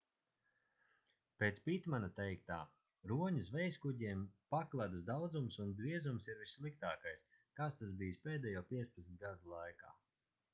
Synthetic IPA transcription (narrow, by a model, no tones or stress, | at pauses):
peːt̪spit̪manat̪ɛjk̚t̪a̰ː | ɾuɔɲusvɛjskuɟiɛmpaklˠad̪usd̪awd̪zumsund̪ɾiɛzumsiɾvisːlˠik̚t̪aːkajs | kast̪asbiːjispʲeːd̪ɛːjɔːpʲiɛspɛt̪sʲnʲt̪̚ɡad̪ulˠajka̰ː